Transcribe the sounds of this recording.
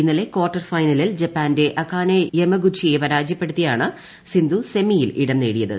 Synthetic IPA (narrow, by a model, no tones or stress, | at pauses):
inːɐle̞kwoːrʈːɐrfɐjnɐlild͡ʑɐpːaːnde̞ʔɐkːaːnejemɐɡut͡ɕʰːijepɐɾaːd͡ʑjɐpːe̞ɽut̪ːijaːɳɨ | sind̪use̞mijilʔiɽɐmneːɽijɐðɨ̰